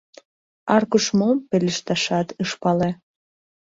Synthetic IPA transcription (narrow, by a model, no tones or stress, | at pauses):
ɑrkuʃmompelʲəʃt̪ɑʃɑt̪ɯʃpɑle